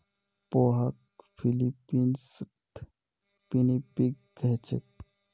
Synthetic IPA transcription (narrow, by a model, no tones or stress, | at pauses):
poːɦɐk | pʰilipiːns | t̪ | pinipik | ɡɛt͡ʃə̰k̚